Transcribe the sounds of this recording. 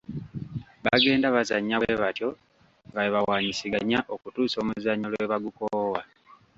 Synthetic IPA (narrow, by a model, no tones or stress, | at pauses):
βaɡe̞ːndaβazaɲːaweβatjo̞ | βajiβawaɲisiɡaɲːaʔo̞kutuːso̞ːmuzaɲːolwe̞βaɡukoːwa